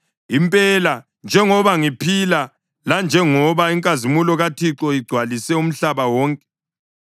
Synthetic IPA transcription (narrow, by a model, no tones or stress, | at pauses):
impʼɛla | nd͡ʒʱɛŋɔβaŋipʰila | land͡ʒʱɛŋɔβaiŋkʼazimulɔɣatʰiǁɔiɡ͡ǀʱwalisɛum̩ɬaβawɔːŋkʼɛ̥